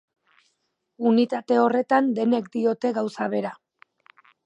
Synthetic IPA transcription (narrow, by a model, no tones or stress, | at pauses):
unit̪at̪e̞o̞re̞t̪and̪e̞ne̞kd̪io̞t̪e̞ɣawsaβe̞ɾa